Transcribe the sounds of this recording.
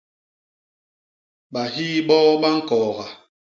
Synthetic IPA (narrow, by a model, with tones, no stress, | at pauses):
ɓa˨ɦi˦ɓɔː˦ɓa˦ŋ̩˦kɔː˨ɣa˨